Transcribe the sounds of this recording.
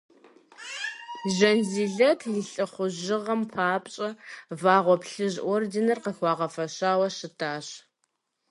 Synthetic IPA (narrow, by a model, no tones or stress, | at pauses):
ʒɐnziːɮɐtʰniːɬʼɨχʷʊʑɪʁɐmpʰaːpʼɕʼɐvaːʁʷɔpɬɨʑʔordenɐrqəxʷɑːʁɐfɐɕaːwɐʃɨtʰaːɕ